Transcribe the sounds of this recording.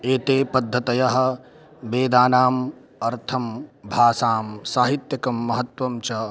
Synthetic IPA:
eːt̪eːpɐd̪ʱːɐt̪ɐjɐɦɐ̆ | beːd̪aːnaːm | ɐɾt̪ʰɐmbʱaːsaːmsaːɦit̪jɐkɐmːɐɦɐt̪wɐmt͡ʃɐ

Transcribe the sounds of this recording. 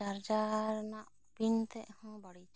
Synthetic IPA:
aɾd͡ʒaɾnaʔ | bint̪ɛʔhɔ̃bɔɽit͡ʃ

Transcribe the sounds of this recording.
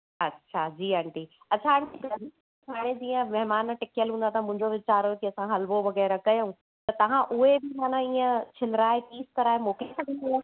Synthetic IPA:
ɐtːɕʰad͡ʑiːɐɳʈiː | ɐtːt͡ɕʰaɐɳʈiɡɐdʱi | aːɽ̃ed͡ʑiːə̃mɐɦmaːnʈɪkjəlɦũnd̪at̪ʰamʊ̃ɦɪ̃ɲd͡ʑoʋɪt͡ɕaːɾokiɐsãɦɐlboʋɐɣɛːɾɐkɐjoũ | t̪ɐt̪ɐʋ̤ãʔʊɦebɪmaːnãiːə̃t͡ɕʰɪlɾaːɦekiːskɐɾaːɦemoːkesɐɡʱə̃nd̪ɐa

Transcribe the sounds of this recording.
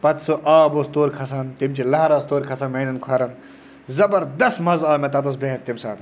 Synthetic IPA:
pɐt̪soʔaːbost̪oːɾʲkʰɐsant̪imt͡ʃʰilɐɦɾaːst̪oːɾʲkʰɐsɐnmeːnɐnkʰwɐːɾɐn | zɐbɐɾd̪ɐsmɐzaːmet̪ɐt̪ɐs̬beːnt̪imsaːt̪

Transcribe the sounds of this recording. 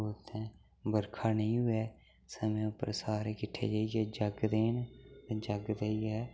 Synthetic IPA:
oːt̪ʰɛ̃ː | bəɾkʰaːnẽĩːɦʊɛː | səmẽːʊpə̰ɾsaːɾeːkɪʈʰːḛːd͡ʒaːiɡɛːd͡ʒəɡd̪eːnd͡ʒəɡd̪eiɛː

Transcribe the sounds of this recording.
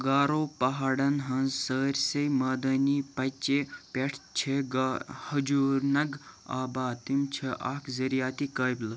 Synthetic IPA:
ɡaːɾoːpɐɦaːɽɐnɦɐnsəːɾʲsɐjmɐːd̪ɐnipɐt͡ʃepʲeʈʰt͡ʃʰeɡhɐd͡ʒuːɾnɐɡa̰ːbaːt̪imt͡ʃʰeʔaːkzɐɾijaːt̪ikɐːjbl

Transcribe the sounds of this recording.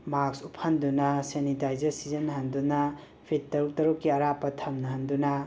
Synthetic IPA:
maksupʰandunɐsenitajzɐɾsizɐnɦɐndunɐ | pʰittːɐɾuk̚tɐɾukːiɐɾapɐtʰɐmnɐɦɐndunɐ

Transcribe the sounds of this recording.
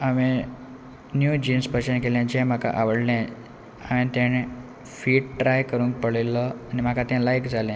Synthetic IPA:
aʋẽ | njud͡ʑiːnspət͡ɕənkelɛ̃d͡ʑɛ̃m̤akʰa̰ʔaʋəɽlɛ̃ | a̰ʋẽt̪ɛɽ̃e | fiːʈʈɾajkəɾũːŋk̚pəɭelːəanim̤akat̪ɛ̃lajkd͡zʱalɛ̃

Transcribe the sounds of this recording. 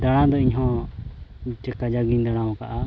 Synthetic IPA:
d̪aɽ̃ãd̪ɔiɲɦɔ̃ | t͡ʃəkad͡ʒaɡiɲd̪aɽ̃ãwɔ̃ka̰ʔa

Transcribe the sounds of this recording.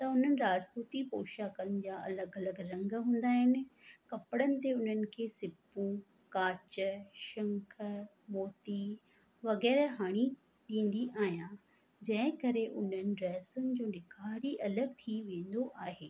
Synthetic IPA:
t̪ɐʊn̤ənɪ̆ɾaːd͡ʑpuːt̪ipoːʃaːkənɪ̆d͡ʑaːʔɐləɡɐləɡɾɐ̃ŋɡɦũːn̆d̪aːɦɪnɪ̆kɐpɽənɪ̆t̪eʊn̤ənɪ̆kʰeːsɪpũ | kaːt͡ɕə̆ʃɐ̃ŋkʰə | moːt̪i | ʋɐɣɛːɾɦaːɽ̃i | ɗĩːn̆d̪iʔaːɦijã | d͡ʑɐ̃ɦɪ̃kɐɾeʔʊn̤ənɪ̆ɾɛːsʊnɪ̆d͡ʑoːnɪkʰaːɾiʔɐləɡt̪ʰiʋẽːn̆d̪oʔaːɦeː

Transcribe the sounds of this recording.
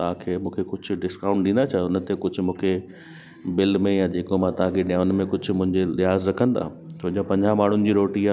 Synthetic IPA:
t̪ɐʋ̤ãkʰeːmũːkʰekʊd͡ʑʱʊ̆ɖɪskãːʊ̃ɳʈ̚ɗɪ̃ːn̆d̪at͡ɕʰaeʊnə̆t̪ekʊd͡ʑʱʊ̆mũːkʰe | bɪlmẽjãd͡ʑeːkomãt̪ɐɦãkʰeɗjaːʊnmẽkʊd͡ʑʱʊ̆mʊ̃ɦɪ̃ɲd͡ʑelɪɦaːzɾɐkʰə̃nd̪a̰ːsoːʄõpɐ̃ɲd͡ʑãmaːɳ̤ʊnɪ̆d͡ʑiːɾoːʈia

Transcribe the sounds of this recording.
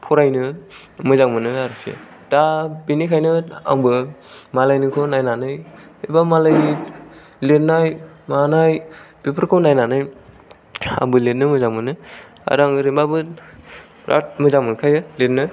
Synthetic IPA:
pʰɔɾajnɯ | mɯzaŋmɯnɯaɾɯsḛ | dabinikʰajnɯa̰ŋbɯmalajnɯkʰɯnajnanɯj | ebamalaj | let̚najmanajb̥ipʰɯɾkʰownajnanɯj | a̰ŋbɯlet̚nɯmɯzaŋmɯnɯ | a̰ɾaŋɾimbabɯ | ɾʔa̰t̚mɯzaŋmɯnkʰajɯlet̚nɯ

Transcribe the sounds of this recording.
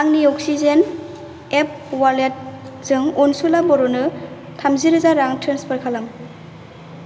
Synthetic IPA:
ɾaŋniɔk̚sizen | ep̚walet̚z̥ɯŋɔnsulabɔɾɔnɯ | tʰamziɾɯzaɾaŋtʰɾenspʰaɾkʰalam

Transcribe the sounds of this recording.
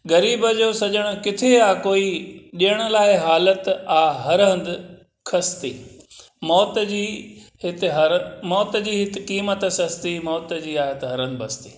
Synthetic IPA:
ɡɐɾiːbəd͡ʑoːsɐʄəɽ̃ʊ̆kɪt̪ʰeaːkoːiɗijəɽ̃ʊ̆laːɪɦaːlət̪aːɦɐɾɦə̃nd̪ɪ | kʰɐst̪ḭː | mɔːt̪d͡ʑiːɦɪt̪ɪɦɐɾmɔːt̪d͡ʑiːɦɪt̪ɪ̆kiːmət̪sɐst̪imɔːt̪d͡ʑiːaːɦɪt̪ɦɐɾə̃nd̪bʱɐst̪ḭː

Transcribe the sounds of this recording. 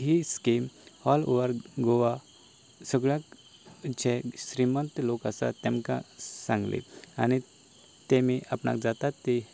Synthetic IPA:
ɦiskimhɔlo̰ʋəɾɡoʋa | səɡɭjak | t͡ɕeɕɾimə̃nt̪lokasa̰t̪ɛ̃mka̰sãŋɡlḛa̰ni | t̪emiʔapna̰kd͡zat̪at̪ːe

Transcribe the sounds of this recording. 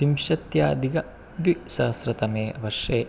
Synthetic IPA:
imʃɐt̪jaːd̪iɡɐ | d̪ʋisɐsɾɐt̪ɐmeːʋɐɾʂeː

